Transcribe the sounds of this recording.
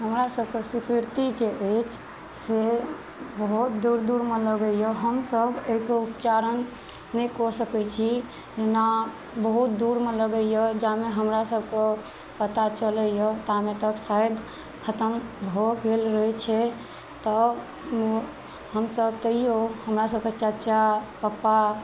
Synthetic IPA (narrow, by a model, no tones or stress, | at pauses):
ɦəmɾasəb̚ʱkesipʰiɾt̪id͡ʒeʔət͡ʃʰ | se | bəɦut̪̚d̪uɾd̪uɾmeləɡəjəɦəmsəbʱeɦikeupt͡ʃaɾənː | əkɔsəkɛt͡ʃʰi | d͡ʒena | bəɦut̪̚d̪uɾmeləɡəjjəd͡ʒameɦəmɾasəbʱke | pət̪at͡ʃələjɔt̪amet̪əksajd̪ | kʰət̪əmbʱoɡelɾəɦɛt͡ʃʰɛ | t̪ɔ | həmsəb̚t̪əɦijohəmɾasəb̚ket͡ʃət͡ʃapapa